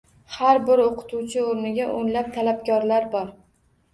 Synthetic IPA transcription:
haɾbɪɾoqʰɨ̥t̪ʰuwt͡ʃʰɪoɾnɪɡʲaʔonlap̚t̪ʰalapkʰʲɒɾlaɾbɒɾ

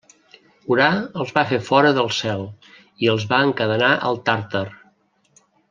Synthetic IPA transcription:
uɾaəlˠzβafefɔɾəðəlˠsɛlˠ | iəlˠzβaəŋkəðənaʔə̰lˠt̪aɾt̪ər

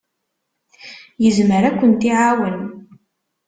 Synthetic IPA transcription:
jəzməɾækʷːənt̪iʕawən

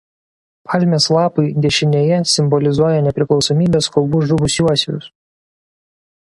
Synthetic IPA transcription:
pʰɑlʲˑmʲeːslˠɑːpɐɪd̪ʲɛʃʲɪnʲeːjɛsʲɪmbɔlʲɪzuɔjɛnʲɛpʲɾʲɪklˠɒʊsɔmʲiːbʲeːskɔlˠbuːʒʊbʊsʲuɔsʲʊʊs

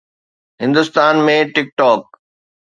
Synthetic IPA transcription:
ɦɪ̃nd̪ʊst̪aːnmẽʈɪk̚ʈɔːk̚

